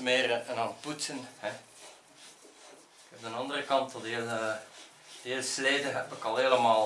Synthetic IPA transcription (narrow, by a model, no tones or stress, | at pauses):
meːrənɑnputsənhɛ | kɛp̚dənɑndərəkɑntɔdel | d̥eːlsleːdəɦɛbəkɑlˠɦeːləmaːl